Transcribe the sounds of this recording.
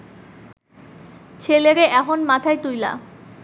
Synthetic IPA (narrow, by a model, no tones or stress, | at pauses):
t͡ɕʰeleɾeʔɛkʰonmat̪ʰaet̪ujla̰